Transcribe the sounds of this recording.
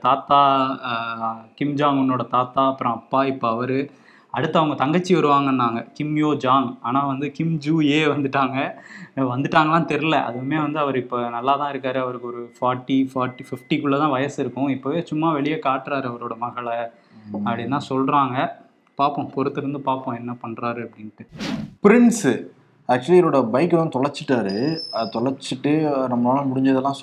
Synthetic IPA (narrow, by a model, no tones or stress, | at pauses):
t̪aːt̪aː | kɪmd͡ʒaːŋɔnːoːɽɐt̪aːt̪aːɐpːɯɾõːɐpːaːɪpːoɐʋɐɾɯ | ɐɽɯt̪ːɐʋɐŋɡɐt̪ɐŋɡɐt͡ʃːiʋɐɾɯʋaːŋɡɐnːaːŋɡɐkɪmjoːd͡ʒaːŋaːnaːʋɐnd̪ɯkɪmd͡ʒuːeːʋɐnd̪ɯʈːaːŋɡɐʋɐnd̪ɯʈːaːŋɡɐlãːt̪ɛɾɪlɛʔɐ̰ðɯɯmeːʋɐnd̪ɯɐʋɐɾɪpːoːnɐlːaːt̪ãːɪɾɯkːaːɾɯɐʋɐɾɯkːɔɾɯfaːɾʈːifaːɾʈːifɪfʈikɯɭːɐt̪ãːʋɐjɐsɪɾɯkːʊ̃ɪpːoːʋeːt͡ʃʊmːaːʋɛɭɪjɐkaːʈːɪɾaːɾɯɐʋɐɾoːɽɐmɐɣɐɭ | ɐpːɐɽɪnːaːsɔlɾaːŋɡɐ | paːɾpːõːpɔɾɯt̪ːɯɾɯnd̪ɯpaːɾpːõːɛnːɐpɐɳɾaːɾɯɐpːɐɽɪnːʈːɯpɪɾɪɳs | aːk̚t͡ʃuliɛɾoːɽɐbɐɪkːɯlãːt̪ɔɭɐɾt͡ʃːɪʈːaːɾɯɐt̪ɔɭɐɾt͡ʃːɪʈːɯnɐmːɐnaːlɐmʊɽɪɲd͡ʒɐðɛlːãːs